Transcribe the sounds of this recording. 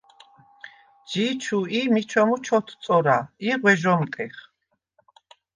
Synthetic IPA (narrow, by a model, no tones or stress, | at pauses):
d͡ʒit͡ʃʰuimit͡ʃʰɔmut͡ʃʰɔt̪ʰt̪sʼɔɾaiʁwɛʒɔmk̪ʼɛχ